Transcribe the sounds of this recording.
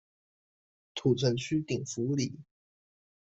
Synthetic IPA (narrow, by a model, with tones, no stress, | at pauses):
t̪ʰu˨˩t͡sʰə˧˥nt͡ɕʰy˥t̪i˨˩ŋfu˧˥li˨˩˦